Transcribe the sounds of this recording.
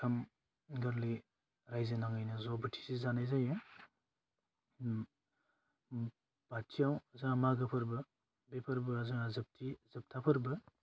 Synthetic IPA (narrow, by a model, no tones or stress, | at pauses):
kʰɐm | ɡɐɾli | ɾajzenaŋajnɯzɔbitʰi̥sizanajzajɯ | b̥atʰːijawzamaɡɯpʰɐɾbɯ | bepʰɐɾbɯazaŋazɐp̚tʰizɐp̚tʰapʰɐɾbɯ